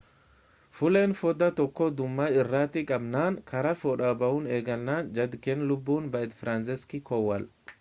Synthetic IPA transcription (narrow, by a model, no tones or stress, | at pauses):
fʊleːnfɔd̪ɐt̪ɔkːɔd̪ʊmːɐɪrːaːt̪ɪkʼɐbnaːŋkʰɐɾɐfɔːᶑɐbɐʔʊneːɡɐlːaːnd͡ʒɐd̪kɛnlʊbːuːnbɐʔɛt̪fɾans̬ɪskɪkɔwːɐl